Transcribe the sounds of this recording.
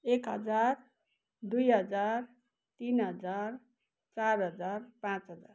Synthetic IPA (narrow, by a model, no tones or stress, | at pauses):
ekɦʌd͡zar | d̪ujɦʌd͡zar | t̪inɦʌd͡zar | t͡sarɦʌd͡zarpãt͡sɦʌd͡zar